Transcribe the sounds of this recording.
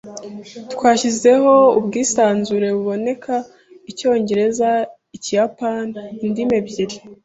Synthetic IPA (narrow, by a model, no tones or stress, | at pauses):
tkwaːçize̞ɦo̞ubɡiːsaːnzuɾe̞βuβo̞ne̞kʰa | ico̞ːɲɟe̞ɾe̞za | icijapanindime̞bɟiɾi